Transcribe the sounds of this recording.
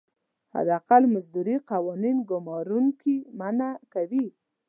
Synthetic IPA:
ha̰d̪aqalmazd̪uɾiqawɑninɡʊmɑɾuŋkimanakawi

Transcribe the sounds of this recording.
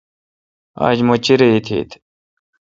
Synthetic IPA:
a̰ːd͡ʑmot͡ɕiɾeit̪ʰḭːt̪ʰ

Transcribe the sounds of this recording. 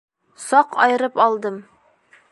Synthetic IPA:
sɒqɒjɤ̆ɾɤpɒlˠd̪ɤm

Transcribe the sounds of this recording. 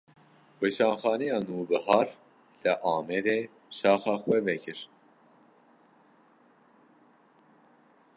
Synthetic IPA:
weːʃɑːnxɑːnɛjɑːnuːbɨɦɑːɾ | lɨʔɑːmɛɾeː | ʃɑːxɑːxwɛvɛkʰɨɾ

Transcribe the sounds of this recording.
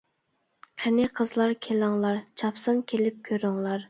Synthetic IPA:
qʰɛnɪqʰəzlˠɑɾkʲʰelɑŋlˠɑɾt͡ʃʰɑpsɨŋkʲʰelɪp̚kʲʰøɾyŋlˠɑɾ

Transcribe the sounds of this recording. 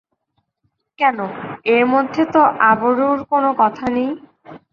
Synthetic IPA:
kɛnoeɾmod̪ʱːet̪oʔaboɾuɾkonokɔt̪ʰanej

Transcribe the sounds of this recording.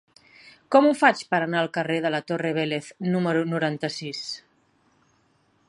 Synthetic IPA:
kɔmufat͡ʃpəɾanaəlˠkəreðələt̪oreβ̞eleθnuməɾunuɾant̪əsis

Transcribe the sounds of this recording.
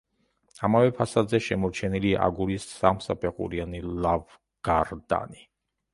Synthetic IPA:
amavɛpʰasad̪zɛʃɛmɔɾt͡ʃʰɛnilia̰ɡuɾisːamsapʰɛqʼṵɾianilav | ɡ̥aɾd̪a̰ni

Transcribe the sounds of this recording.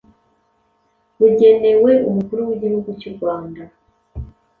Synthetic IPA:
βuɟe̞ne̞we̞umukuɾuwiɟihuɡuciɾɡwaːnda

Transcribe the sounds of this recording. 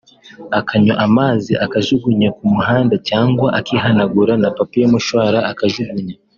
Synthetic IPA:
akʰaɲoʔamaːziʔakaʒuɡuɲekumuɦaːndacaːŋɡwaʔakiːɦanaɡuɾanapapijomuʃwaːɾaakaʒuɡuɲe

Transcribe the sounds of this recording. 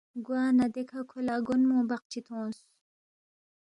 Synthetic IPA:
ɡwaːnad̪ekʰakʰolaːɡunmõːbaq̚t͡ʃʰit̪ʰõːs

